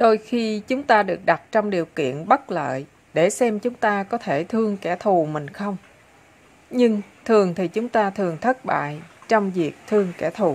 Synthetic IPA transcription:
ɗo˧jxi˧t͡ɕʊ˨˦ŋ͡mt̪aː˧ɗɨ˨˩ək̚ɗa˨˩t̚t͡ɕɔ˧wŋ͡mɗi˨˩əwkḭ˧˨ənɓə˦˥t̚lə̰ː˧˨j | ɗe˧˩sɛ˧mt͡ɕʊ˨˦ŋ͡mt̪aː˧kɔ˨˦t̪ʰe˧˩t̪ʰɨ˧əŋkɛ˧˩t̪ʰu˨˩mï˨˩ŋ̟xə˧wŋ͡m | ɲɨ˧ŋt̪ʰɨ˨˩əŋt̪ʰi˨˩t͡ɕʊ˨˦ŋ͡mt̪aː˧t̪ʰɨ˨˩əŋt̪ʰə˦˥t̚ɓa̰ː˧˨jt͡ɕɔ˧wŋ͡mvi˨˩ək̚t̪ʰɨ˧əŋkɛ˧˩t̪ʰu˨˩

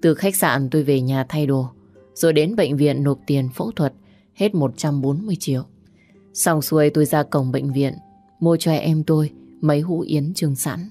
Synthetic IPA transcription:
t̪ɨ˨˩xa˦˥k̟̚sa̰ː˧˨nt̪o˧jve˨˩ɲaː˨˩t̪ʰa˧jɗo˨˩ | z̥o˨˩jɗe˨˦nɓə̰˧˨ŋ̟vḭ˧˨ənːo˨˩p̚t̪i˨˩ənfə̰˧˥wt̪ʰwə˨˩t̚ | he˦˥t̚mo˨˩t̚t͡ɕa˧mɓo˨˦nmɨ˧əjt͡ɕi˧˨əw | sa˧wŋ͡msu˨˧˦ə˧jt̪o˧jzaː˧kə˨˩wŋ͡mɓə̰˧˨jŋ̟vḭ˧˨ən | mu˧ət͡ɕwɛ˧˩ʔɛ˧mt̪o˧jmə˨˦jɦṵ˧˥ʔi˨˦ənt͡ɕɨ˧əŋsa̰ː˧˥n

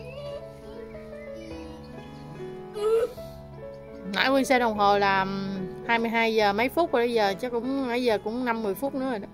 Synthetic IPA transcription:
na̰ː˧˥jkwi˧nsɛ˧ɗə˨˩wŋ͡mɦo˨˩laː˨˩haː˧jmɨ˧jɦaː˧jzəː˨˩mə˨˦jfʊ˦˥t̚va˨˩ɓə˨˦jzəː˨˩t͡ɕɔ˨˦˥kʊ̰˧˥wŋ͡mmə˨˦jzəː˨˩kʊ̰˧˥ŋ͡mna˧mːɨ˨˩əjfu˦˥t̚nɨ̰˧˥əə˨˩ɗ

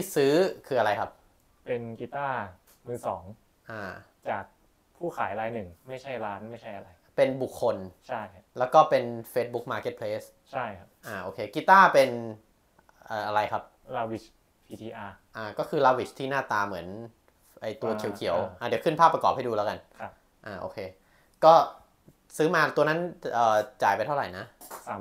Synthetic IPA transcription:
i˦˥˩sɯː˦˥kʰɯː˧ʔa˧ɾa˧jkʰa˦˥p̚ | pe˧nkiː˧t̪aː˥˩ | mɯː˧˩sɔː˩˦ŋ | ʔaː˧˩ | t͡ɕaː˨˩k̚ | pʰuː˥˩kʰaː˩˦jɾaː˦˥jnɯ˨˩ŋma˥˩jt͡ɕʰa˥˩jɾaː˦˥nma˥˩jt͡ɕʰa˥˩jʔa˧ɾa˧jpe˧nbu˨˩kʰːo˧nt͡ɕʰa˥˩jka˦lɛː˦˥wkɔː˥˩pe˧nfeː˦˥t̪̚bu˦˥k̚maː˧ke˦˥t̪̚pʰleː˦˥s | t͡ɕʰa˥˩jkʰa˦˥pʔaː˧˩ʔoː˧˩kʰeː˧kiː˧˥t̪aː˥˩pe˧n | ʔəː˨˩ʔa˧ɾa˧jkʰa˦˥p̚ | laː˧wi˨˩ | pʰi˧tiː˧ʔaː˧ʔaː˧˩kɔː˥˩kʰɯː˧laː˧wi˨˩t͡ɕ̚t̪ʰiː˥˩naː˥˩t̪aː˧mɯ˩˦ən | ʔa˧jt̪u˧ɐkʰi˨˩˦kʰi˨˩˦wʔaː˧˩di˩˦wkʰɯ˥˩npʰaː˥˩pːɾa˧kɔː˨˩p̚ha˥˩jduː˧lɛ˦˥ka˧nʰa˦ | ʔaː˧˩ʔo̰ː˧kʰeː˧ | kɔː˥˩ | sɯː˦˥maː˧t̪u˧ɐna˦˥nʔɤː˨˩t͡ɕaː˨˩jpa˧jt̪ʰa˥˩wɾa˨˩jna˦˥˧

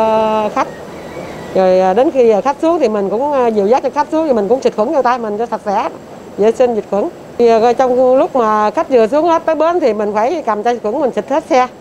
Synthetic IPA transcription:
xa˦˥jk̟̚ | zo˨˩jəː˨˩ɗe˨˦nxiː˧˨˩xa˦˥k̚su˨˦əŋt̪ʰi˨˩mi˨˩ŋ̟kʊ̰˧˥ŋ͡mzi˨˩˨wzaː˦˥t͡ɕə˧˩xa˦˥k̚su˨˦əŋi˨˩mï˨˩ŋ̟kʊ̰˧˥ŋ͡mt͡ɕi˨˩t̚xwə̰˨˧˦ŋt͡ɕa˧wt̪aː˧jmï˨˩ŋzɔ˧t̪ʰə˨˩t̚za̰ː˧˥˦ | zə˧˩˦si˧ŋzi˨˩t̚xwə̰˧˩˦n˨˩˧ | t͡ɕɔ˧wŋ͡mlʊ˦˥k͡p̚maː˨˩˨xa˦˥jk̚zɨ˨˩əs̬u˨˦əŋhe˦˥t̚t̪əː˨˦jɓe˨˦nt̪ʰi˨˩mï˨˩ŋ̟faː˧˩jka˨˩mt͡ɕɔ˧zi˨˩t̚xwə˧˦ŋmï˨˩ŋ̟t͡ɕi˨˩t̚hʰe˦˥t̚sɛ˧

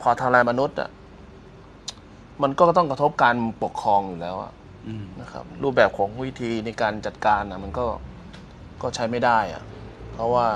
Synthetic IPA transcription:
pʰɔː˧t̪ʰa˧laː˧jma˧nu˦˥t̪̚ʔa̰˨˩ | ma˧nkɔː˥˩t̪ɔ˥˩ŋkɾa˧t̪ʰo˦˥p̚kaː˧npu˨˩kʰːɾɔː˧ŋjuː˨˩lɛː˦˥wʔa̰˨˩ʔ | na˦˥kʰa̰˦˥p̚ɾuː˥˩p̚bɛː˨˩p̚kʰɔː˩˦ŋwi˦˥t̪ʰiː˧na˧jkaː˧nt͡ɕa˨˩t̪̚kaː˧na˨˩ma˧nkɔː˥˩ | kɔː˥˩t͡ɕʰa˦˥jma˥˩jdaː˥˩jʔa̰˨˩pʰɾɔ˦˥waː˥˩

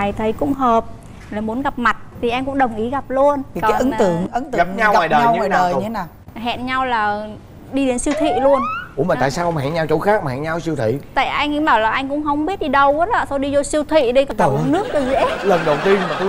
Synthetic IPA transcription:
a˨˩jt̪ʰə˨˦jkʊ̰˧˥ŋ͡mɦəː˨˩p̚ | laː˨˩mu˨˦ənɣa˨˩p̚ma˨˩t̚t̪ʰi˨˩ʔɛ˧mkʊ̰˧˥ŋ͡mɗə˨˩wŋ͡mʔi˨˦ɣa˨˩p̚lu˧ən˨˩kɔ̰aː˨˦ʔɨ˨˦t̪ɨ̰˧˨əŋʔə˨˦nt̪ɨ˧ɣa˨˩p̚ɲa˧wa˨jɗəː˨˩˧wəː˨˩˨tʰe˨˦naː˨˩w | ɦɛ̰˧˨nɲa˧wlaː˨˩ | ɗi˧ɗe˨˦nsi˧wt̪ʰḭ˧˨lu˧ənu˨˧˦ma˨˩˨t̪ːsaː˧wʔŋ͡mhɛ̰˧˨nɲa˧wt͡ɕo˧˦xaː˦˥k̚ma˨˩hɛ̰˧˩ɲa˧wsi˧əwt̪ʰḭ˧˨t̪a̰ː˧˨jʔa˧jŋ̟˧˦ɓaː˧˩wlaː˨˩ʔa˧jŋ̟kʊ̰˧˥ŋ͡mɦə˧wŋ͡mɓi˦˥ət̚ɗi˧ɗə˧wʔə˨˦ɔ˧˨˩so˧ɗi˧zo˧si˧wt̪ʰḭ˧˨ɗi˧kɔ˧˩˧nɨ˦˥ək̚t̪ɨ˨˩zɛ̰˧˦˥lə˨˩nɗə˨˩wt̪i˧ənmaː˨˩˨

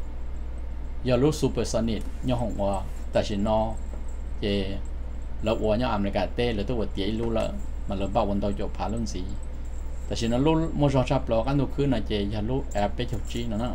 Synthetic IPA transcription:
ja˧˨˧lu˦su˧pe˨ɾsa˧ni˧˨t̪̚ɲɔ̃˦ɦo˧˨ŋwa˧ | t̪a˧˨ʃi˨nɔ̃˧ | je˧ | lə˧ʔwʷʔa˧˨ɲɔ̃˦a˨mle˧˨ka˨t̪e˦lə˨t̪u˦wa˨t̪je˨ʔjlu˦la̰˧˨ | mã˨lə˨˧ba˦˨wa˧nd̪o˧kʲo˨pʰa˧˨lu˦nzi˨ | t̪a˨ʃi˧nɔ̃˧lu˦mo˦ʐɔ˧t͡ʃa˦plɔ˧˨ka˦nd̪u˧˨kʰɨ˦nã˧kʲe˧ja˧˨lu˦ɛ˧pe˦kʲʰo˧wt͡ʃi˦nã˨nã˦˨

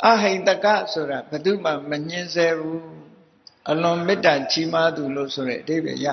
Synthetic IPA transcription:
ʔa˨ɦẽ˨nt̪ə˨ka˦˨sʰo˨ɾa˨bə˨d̪ṵ˦˨m̥ã˨mə˨ɲ̥ɪ̃˦nzɛ˦bu˦ | ʔəlʊ̃˨mɪ˦tːa˨t͡ɕi˦ma˦d̪u˨lo̰˦˨sʰo˨ɾɛ̰˦ʔəde˦˨bɛ̰˨ja̰˦˨

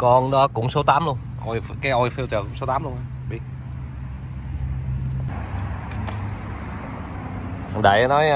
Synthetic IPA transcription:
kɔ˧nɗɔ˨˦kʊ̰˧˥ŋ͡mso˨˦t̪aː˨˦mlu˧ən | ʔɔ˧jkaː˨˦jʔɔ˧jfi˧wt͡ɕəː˨˩kʊ˧˥ŋ͡mso˨˦t̪aː˨˦mlu˧ə˧naː˧ | ɓi˨˦˩ | ha˨˩nɗa̰˧˩jnɔ˨˦j

